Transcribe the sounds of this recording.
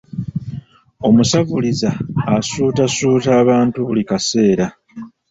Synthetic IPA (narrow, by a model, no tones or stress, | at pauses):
o̞musavulizaːsuːtasuːtaːβaːntuβulikase̞ːɾa